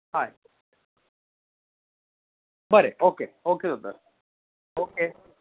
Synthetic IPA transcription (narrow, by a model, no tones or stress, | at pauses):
hai | baɾeoːkeoːked̪ot̪ːas | oːke